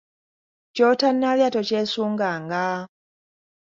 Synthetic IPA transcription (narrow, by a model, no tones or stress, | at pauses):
coːtanːaljatocesuːŋɡaːŋɡa